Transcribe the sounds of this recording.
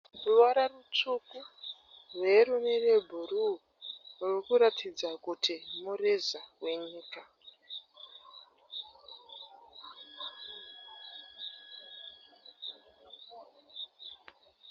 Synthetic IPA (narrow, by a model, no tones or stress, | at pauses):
ruwaɾarut͡ʂuku | rwerumerebʱuru | rurikuɾatʰid͡zakutʰimurezawe̞ɲiːka